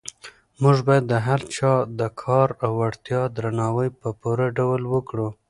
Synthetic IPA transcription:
muʒbɑjad̪ːəɦaɾt͡ʃɑd̪əkʰɑɾawaɽt̪jɑd̪ɾanɑwəjpəpoɾaɖawlwəkɽu

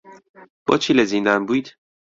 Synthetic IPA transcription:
b̥ɒ̰ːt͡ʃʰilezind̪ænbuːjd̪̥

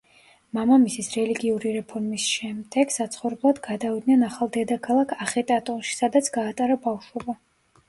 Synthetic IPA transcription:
mamamisisɾɛliɡiuɾiɾɛpʰɔɾmisʃɛmd̪ɛɡ̥sat̪sʰχɔvɾɛblˠad̪ɡad̪avid̪nɛnaχalˠd̪ɛd̪akʰalˠakʰaχɛt̪ʼat̪ʼɔnʃi̥sad̪at̪sʰɡaːt̪ʼaɾabafʃwɛba

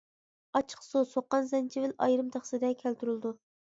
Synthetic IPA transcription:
ɑt͡ʃʰə̥χsosoqːɑnzɛnt͡ʃʰivɪlɑ̰jɾɨmt̪ʰɑχsɨd̪ɛkʲʰælt̪yɾɨlˠd̪u

